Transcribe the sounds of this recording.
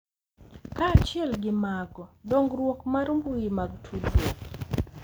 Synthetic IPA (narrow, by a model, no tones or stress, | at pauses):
kaːt͡ʃɪɛlɡɪmaɡɔdoŋɡɾwokmaɾmbujimaɡtʰudwo